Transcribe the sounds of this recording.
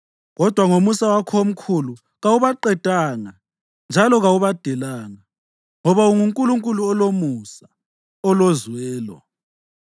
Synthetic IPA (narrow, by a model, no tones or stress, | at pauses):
ɣɔd̥ʱwaŋomusawakʰom̩kʰulu | ɣawuβaǃɛd̥ʱʼaːŋa | nd͡ʒʱalɔɣawuβad̥ʱɛlaːŋa | ŋɔβauŋuŋkʼuluŋkʼuluɔlomusa | ɔlozwɛːlɔ̰